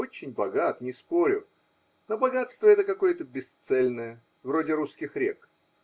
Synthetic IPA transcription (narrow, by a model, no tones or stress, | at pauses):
ot͡ɕɪnʲbɐɡat̪nʲɪspo̞ɾʲʊ | nobɐɡat̪st̪vəɛt̪əkɐko̞jət̪əbʲɪst̪sɛlʲnəjə | vɾo̞dʲɪɾuskʲɪxɾʲek